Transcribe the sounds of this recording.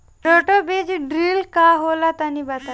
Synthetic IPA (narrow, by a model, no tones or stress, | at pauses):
ɾoʈobed͡ʑɖɾilkaɦolat̪anibat̪a